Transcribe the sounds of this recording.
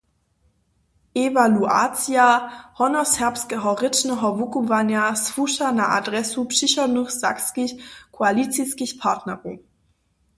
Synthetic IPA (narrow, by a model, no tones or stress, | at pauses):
ʔevalua̰t͡sjahɔnɔsɛɐpskɛɦɔʁɪt͡ʃnɛɦɔvukuvanjasvuʃanaʔa̰dʁɛsupʃiɕɔnuxz̥a̰kskiçkʰoalit͡siskiçpʰatnɛʁu